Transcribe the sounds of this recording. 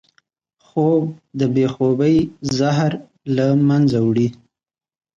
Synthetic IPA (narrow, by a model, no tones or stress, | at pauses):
xob̚d̪əbexobəjzaɦɾ | lamanzawɽi